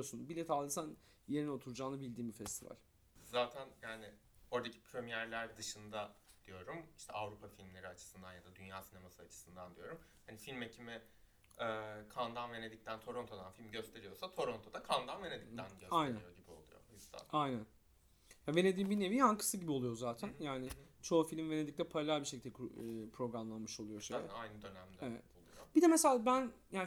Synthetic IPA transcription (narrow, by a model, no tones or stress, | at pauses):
osunbilʲɛt̪ʰalˠɯsan | jeɾino̞t̪ʰuɾud͡ʒaːnɯbilʲd̪iːmbifɛst̪ʰiva̰lʲ | zaːt̪ʰænjaːnɪ | o̞ɾd̪acʰi̥pʰɾømijæɾlʲæɾd̪ɯʃɯnd̪ad̪̥ijo̞ɾumi̥ʃt̪ʰɛavɾupʰafilʲmlʲe̞ɾiat͡ʃʰɯ̥sɯnd̪anjad̪ad̪ynjaːsine̞masɯat͡ʃʰɯ̥sɯnd̪and̪ijo̞ɾumhanifilʲmecʰimɪ | ɛːkʰand̪anve̞ne̞d̪ic̚t̪ʰænt̪ʰo̞ɾo̞nt̪ʰod̪anfilʲmɟø̞st̪ʰe̞ɾijo̞sat̪ʰo̞ɾont̪ʰo̞d̪akʰand̪anve̞ned̪ic̚t̪ʰænɟøajnæijoɟibio̞lˠujo̰jyzd̪a̰ajnæn | jave̞ne̞d̪iːmbinevijhankʰɯ̥sɯɟibio̞lˠujo̞zaːt̪ʰænjaːnɪt͡ʃʰo̞ːfilʲmve̞ne̞d̪ic̚lʲɛpʰaɾalʲælʲbiɾʃecʰild̪ɛpʰɾo̞ɡɾamlˠanmɯʃo̞lˠujo̞ʃeajnɯd̪ø̞næmd̪evɛ̰t̪olˠub̥id̪ɛmeselʲaːbænjaːn